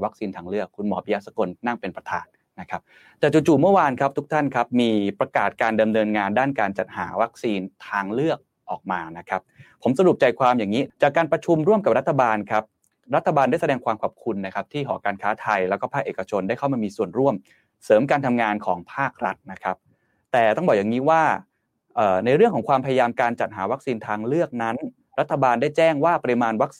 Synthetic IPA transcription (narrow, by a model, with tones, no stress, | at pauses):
wa˦˥k̚siː˧nt̪ʰaː˧ŋlɯ˥˩əkʰːu˧nmɔː˩˦pʰi˧ja˦˥t̪̚sa˧ko˧nːa˥˩ŋpe˧npɾa˧t̪ʰa̰ː˨˩n | na˦˥kʰa˦˥p̚ | t̪ɛː˨˩t͡ɕu˨˩t͡ɕuː˨˩mɯ˥˩əwaː˧nkʰa˦˥p̚t̪ʰu˦˥k̚t̪ʰa˥˩nkʰa˦˥p̚miː˧pɾa˧kaː˨˩t̪̚kaː˧nda˧mnɤː˧nŋaː˧ndaː˥˩nkaː˧nt͡ɕa˨˩t̪̚haː˩˦wa˦˥k̚siː˧nt̪ʰaː˧ŋlɯ˥˩ək̚ | ʔɔː˨˩k̚maː˧na˦˥kʰa˦˥p̚pʰːo˩˦msa˧ɾu˨˩p̚t͡ɕa˧jkʰwaː˧mjaː˨˩ŋiː˦˥t͡ɕaː˨˩kːaː˧npɾa˧t͡ɕʰu˧mɾu˥˩mka˨˩p̚ɾa˦˥t̪ʰːa˧baː˧nkʰa˦˥p̚ | ɾa˦˥t̪ʰːa˧baː˧ndaː˥˩sa˧dɛː˧ŋkwaː˧mkʰa˨˩p̚kʰu˧nːa˦˥kʰa˦˥p̚t̪ʰiː˥˩ɦɔː˩˦kaː˧nkʰaː˦˥t̪ʰa˧jlɛː˦˥wkɔː˥˩pʰaː˥˩k̚ʔeː˨˩ka˧t͡ɕʰo˧nda˥˩jkʰa˥˩wmaː˧miː˧su˨˩ənɾu˥˩əm | sɤː˩˦mkaː˧nt̪ʰa˧mŋaː˧nkʰɔː˩˦ŋpʰaː˥˩k̚ɾa˦˥t̪̚na˦˥kʰa˦˥p̚ | t̪ɛː˨˩t̪ɔ˥˩ŋbɔː˨˩jaː˨˩ŋiː˦˥waː˥˩ | ʔɤː˨˩na˧jɾɯ˥˩əŋkʰɔ˩˦ŋkwaː˧mpʰa˧ja˧jaː˧mkaː˧nt͡ɕa˨˩t̪̚ɦaː˩˦wa˦˥k̚siː˧nt̪ʰaː˧ŋlɯ˥˩ək̚na˦˥n | ɾa˦˥t̪ʰːa˧baː˧ndaː˥˩jt͡ɕɛː˥˩ŋwaː˥˩pa˧ɾi˧maː˧nwa˦˥k̚